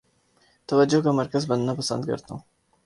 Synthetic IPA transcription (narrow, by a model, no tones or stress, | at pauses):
t̪ɐwad͡ʒokəmaɾkazbɐnd̪napasa̰nd̪̚ɡə̰ɾt̪ṵ̃